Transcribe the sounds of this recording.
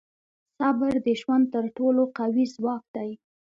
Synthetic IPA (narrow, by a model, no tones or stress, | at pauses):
sabəɾd̪əʒwand̪̚t̪əɾʈoloqawizwɑk̚d̪̥aj